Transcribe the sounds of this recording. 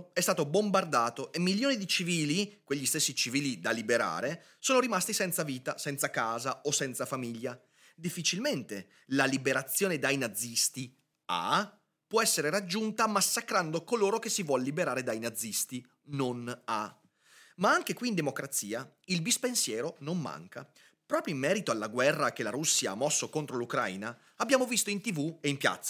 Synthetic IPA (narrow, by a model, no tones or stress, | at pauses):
ɛst̪aːt̪obombard̪aːt̪oʔemːiljoːnid̪it͡ʃiviːlikweʎːist̪esːit͡ʃiviːlid̪alibeɾa̰ːɾe | soːnoɾimast̪isɛnt̪saviːt̪asɛnt̪sakaːzaosɛnt̪safamiʎːa | d̪ifːit͡ʃilment̪e | lalibeɾat̪sːjoːned̪ajnad̪zːist̪i | a̰ | pwɔɛsːeɾeɾad͡ʒːunt̪amasːakɾand̪okoloːɾokesːivwɔlːibeɾaːɾed̪ajnad̪zːist̪i | nona̰ | maaŋk̟ekwiːnd̪emokɾat̪sːiːa | ilbispensjɛːɾonomːa̰ŋka̰ | pɾɔːpɾjoimːɛːɾit̪oalːaɡwɛrːakelaɾusːjaa̰mːɔsːokont̪ɾolukɾa̰jnaː | bːjaːmovist̪oint̪ivueimpja̰t̪sːḁ